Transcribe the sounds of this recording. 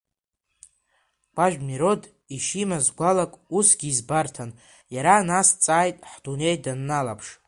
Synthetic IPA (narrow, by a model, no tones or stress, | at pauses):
ɡ̥ʷʼaʒᶣmiɾo̞d | iʃimazɡʷalakʼusɡʲiːzbartʰan | jaɾanast͡sʼaːjtʼħd̥une̞jdanːalapʰʂ